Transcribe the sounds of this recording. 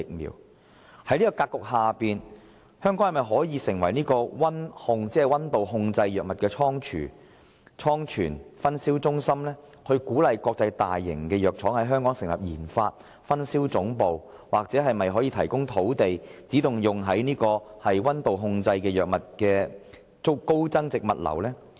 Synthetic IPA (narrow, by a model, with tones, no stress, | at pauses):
ɪ˨k̚mḭː˨˩w | hɐ˨˥jniː˥kɔː˧kaː˧t̚kːʊ˨k̚haː˨piː˨n | hœː˥ŋkɔ˨˥ŋhɐ˨˩mɐ˨˩jɦɔː˨˥jiː˨˧sɪ˨˩ŋwɐ˨˩jniː˥kɔː˧wɐ˥nhʊ˧ŋt͡sɛː˨˥hɐ˨˩wɐ˥nt̪o˨wɦʊ˧ŋt͡sɐ˧jjœː˨k̚mɐ˨t̚kɛː˧t͡sʰɔː˥ŋt͡ʃʰy̰ː˨˩ | t͡sʰɔː˥ŋt͡ʃʰyː˨˩nfɐ˥nsi˥wt͡sʊ˥ŋsɐ˥mlɛː˥ | kʰɵ˧ɥkuː˨˥lɐ˨jkʷɔː˧k̚t͡sɐ˧jt̪a̰ː˨jːɪ̰˨˩ŋkɛː˧jœː˨k̚t͡ʃʰɔː˨˥ŋɦɐ˨˥jɦœː˥ŋkɔː˨˥ŋsɪ˨˩ŋlɐ˨˩p̚jiː˨˩nfaː˧t̚ | fɐ˥nsiː˥wt͡sʊ˨˥ŋpo˨w | waː˨k̚t͡sɛː˨˥ɦɐ˨jmɐ˨jɦɔː˨˥jiː˧t̪ʰɐ˨˩jkʊ˥ŋt̪ʰo˨˥wt̪e˨jt͡siː˨˥t̪ʊ˨ŋjʊ˨ŋɦɐ˨˥jniː˥kɔː˧hɐ˨jwɐ˥nt̪o˨wɦʊ˧ŋt͡sɐ˧jkɛː˧jœː˨k̚mɐ˨t̚kɛː˧ | t͡sʊ˥ko˥wt͡sɐ˥ŋt͡sɪ˨k̚mɐ̰˨t̚lɐ̰˨˩wlɛː˥